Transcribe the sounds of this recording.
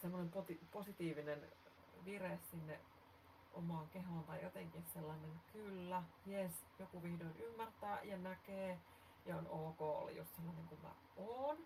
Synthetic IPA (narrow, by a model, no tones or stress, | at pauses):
semːonempot̪iposit̪iːʋinen | ʋiressinːe | ʔomɑˑːŋkeɦoˑnt̪ɑjjot̪eŋkisselːɑnenkylːæjes | jokuʋihdoinymːært̪æːjɑnækeː | jɑonoːko̰ːlːḛjṵst̪selːɑneŋkummæ̰ | oːn